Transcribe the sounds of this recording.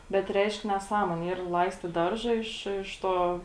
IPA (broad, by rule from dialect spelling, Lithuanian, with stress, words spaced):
bʲɛt ˈrʲɛɪʃk nʲɛˈsɑːmuɔnʲeː iːr ˈlˠɐɪsʲtʲɪt ˈdɐrʒɐ ɪʃ ɪʃ ˈtoː